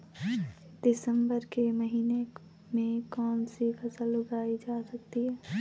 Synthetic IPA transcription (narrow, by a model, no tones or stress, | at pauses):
d̪̥ɪsə̃mbəɾkemɐɦiːne | mẽkɔːnsikʰɐsəlːʊɡaːid͡ʒaːsɐk̚t̪iɦɛː